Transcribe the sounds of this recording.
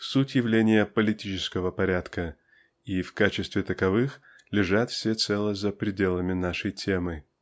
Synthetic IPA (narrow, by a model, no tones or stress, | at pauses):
sutʲjɪvlʲenʲɪjəpəlʲɪtʲit͡ɕɪ̥skəvəpɐɾʲat̪kə | ifkat͡ɕɪst̪vʲɪt̪əkɐvɨx | lʲɪʐat̪fsʲet̪sɛlˠəzəpɾʲɪdʲe̞lˠəmʲɪnaʂəjtʲemɨ